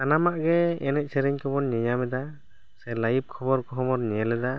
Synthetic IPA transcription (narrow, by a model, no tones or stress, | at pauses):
anamaʔɡɛɛnɛc̚sɛɾɛɲkʰɔbɔnɲɛɲamɛd̪a | sɛlajib̚kʰɔbɔɾkɔɦɔmɔɾɲɛlɛd̪a